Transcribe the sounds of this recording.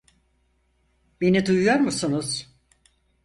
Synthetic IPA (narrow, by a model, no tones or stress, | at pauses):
be̞nid̪ujujo̞ɾmusunuz̥